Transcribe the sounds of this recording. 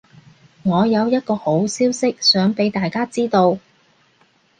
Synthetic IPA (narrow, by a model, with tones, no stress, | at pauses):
ŋɔː˨˧jɐ˨˧wjɐ˥t̚kɔː˧ho˨˥wsiː˥wsɪ˥k̚sœː˨˥ŋpe˨˥jt̪aː˨jkaː˥t͡siː˥t̪o˧w